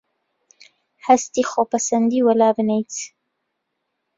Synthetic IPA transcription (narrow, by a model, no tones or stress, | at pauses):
hɛst̪iːxopʰɐsɐnd̪iːwɐlaːbɨnejt̪